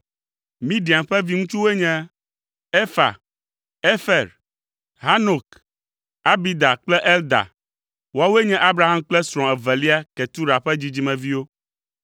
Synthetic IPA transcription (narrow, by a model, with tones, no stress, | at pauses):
mĩ˦ɖi˨a˨mɸɛ˦vi˦ŋũ˦t͡ʃu˦we˦ɲɛ̃˦ | e˦fa̰˨ | e˦fɛ˨ɾ | ɦa˦no˨k | a˦bi˦d̪a˨k͡plɛ˦ʔɛ˦ld̪a̰˨ | wo˦a˦we˦ɲɛ̃˦ʔa˦bɾa˦˨ɦa˦mk͡plɛ˦sɾ̃ɔ̃˨ɛ˨vɛ˨li˦a˦kɛ˨t̪u˦ɾa˨ɸɛ˦d͡ʑi˦d͡ʑi˦mɛ̃˨vi˦wo˦